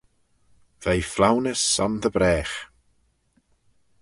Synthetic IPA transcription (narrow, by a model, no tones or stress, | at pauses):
vejflˠawnɪsɔnðəbɾɛːχ